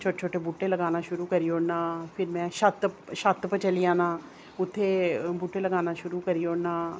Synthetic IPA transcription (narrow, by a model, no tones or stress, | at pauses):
t͡ʃʰoːʈːt͡ʃʰoːʈeːbuːʈːeːləɡaːnaːʃʊɾuːkəɾiːoːɽnaːpʰɪɾmɛ̃ːʃət̪ʃət̪pət͡ʃəlijãːnaː | ʊt̪ʰːeːbuːʈːeːləɡaːnaːʃʊɾuːkəɾiːoːɽnaː